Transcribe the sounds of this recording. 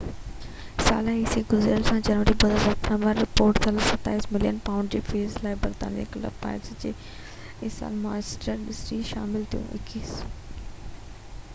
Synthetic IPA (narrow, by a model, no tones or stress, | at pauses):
sa̰ːlaɦisiɡʊzelsãd͡ʑɐnʋəɾibɐzɔːsaːɾpɾə̃ʋəɾɾɪpoːɾʈt̪ʰɐləsɐt̪aːiːsmɪlijənpaːʊ̃ɳɖd͡ʑiːfiːlzlaːɪbɐɾt̪a̰ːniḛkɐlɐ̰bpa̰ːɪɾzd͡ʑḛː | ɪsa̰ːlmaːɪsʈəɾɖɪsʈɾiʃa̰ːmɪlt̪ʰijṵ̃ʔɪ̰kiːs